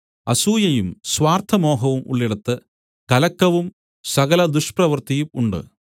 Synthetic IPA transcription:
ɐsuːjɐjumswaːrt̪ʰɐmo̞ːɦɐʋumṵɭːiɽɐt̪ːɨ | kɐlɐkːɐʋum | sɐɣɐlɐd̪uʂprɐʋɐrt̪ijumuɳɖɨ̰

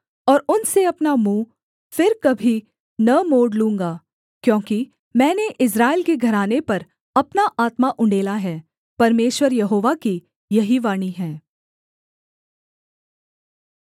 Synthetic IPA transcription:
ɔːɾʊnseɐpnamũː | fɪɾkɐbʱi | nɐmoːɖlũːŋ̆ɡaː | kjõːki | mɛ̃ːneʔɪs̬ɾaːɪlkeɡʱɐɾaːnepɐɾ | ɐpnaʔaːt̪maʔʊ̃ɳɖeːlaɦɛː | pɐɾmeːʃwəɾjɐɦoːʋaki | jɐɦiʋaːɽ̃iɦɛ̃ː

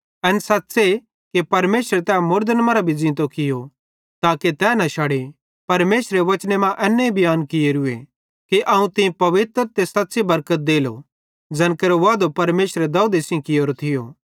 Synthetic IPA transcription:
ɛnsat̪ːse | kepɐɾmeːʃɾet̪ɛːmʊɾd̪ənmɐ̃ɾabʱid͡zɪ̃ːt̪okɪjo | t̪aːket̪ɛːnɐ̃ʃaːɽe | pɐɾmeːʃɾeʋɐt͡ʃnemãʔɛːnːeibʱɪjaːnkɪjeɾʊḛ | keʔɐũt̪ɪ̃ĩpɐʋɪt̪ɾət̪eːsɐtːsebɐɾkət̪̚d̪eːlo̰ | d͡zɐnkeɾoʋaːd̪opɐɾmeːʃɾed̪ɐuːd̪esɪ̃kɪjoːɾot̪ʰɪjo̰ː

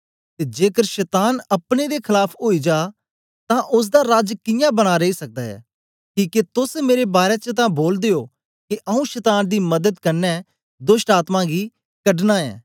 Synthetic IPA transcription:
t̪eːd͡ʒeːkəɾʃɛːt̪aːnɐpned̪ekʰɪlaːpʰoːid͡ʒaː | t̪ãʔʊs̬d̪aɾaːd͡ʒkɪjãbɐɽ̃aɾeisɐk̚d̪aɛ̰ː | kiːket̪ʊsmeːɾebaːɾet͡ʃət̪̬ãboːld̪eoː | kiʔɐũʃɛt̪aːnd̪imɐd̪əd̪kɐɾnɛ | d̪ʊsʈaːt̪mãɡi | kɐɖnaɛ̰ː

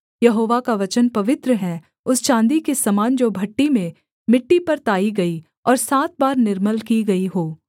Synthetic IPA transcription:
jɐɦoːʋakaʋɐt͡ʃənpɐʋɪt̪ɾəɦɛ | ʊst͡ʃãːnd̪ikesɐmaːnd͡ʒoːbʱɐʈːimẽ | mɪʈːipɐɾt̪aːiɡɐi | ɔːɾsaːt̪̚baːɾnɪɾməlkiɡɐiɦoː

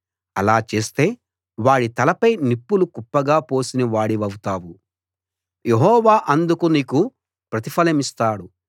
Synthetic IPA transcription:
ɐlaːt͡ʃe̞ːst̪e̞ː | ʋaːɽit̪ɐlɐpɐjnipːulukupːɐɡaːpo̞ːsiniʋaːɽiʋɐwut̪aːwu | jeɦɔːʋaːʔɐnd̪ukuniːku | pɾɐt̪ipʰɐlɐmist̪aːɽu

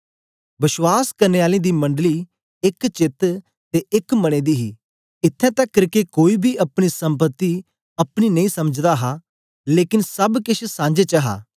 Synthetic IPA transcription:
bɪʃwaːskɐɾneːaːlẽːd̪imɐ̃ɳɖli | ɪkt͡ʃɪt̪ | t̪eʔɪkmɐɽ̃eːd̪iːɦiː | ɪt̪ʰːɛ̃t̪ɐkːəɾkekoːiːbʱiʔɐpɽ̃isɐ̃mpət̪ːi | ɐpɽ̃inɐĩːsɐməd͡ʒd̪aɦa | leːkɪnsɐbkɪʃsãːd͡ʒet͡ʃəɦa̰ː

